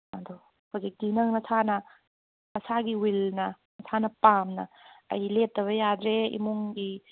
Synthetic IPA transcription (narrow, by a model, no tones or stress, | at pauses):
ɐdo | hozitinɐŋnɐsʰanɐ | ɐsaɡiwilnɐ | ɐsʰanɐpamnɐ̰ɐ̰jlep̚tɐβɐjadɾeḭmuŋɡi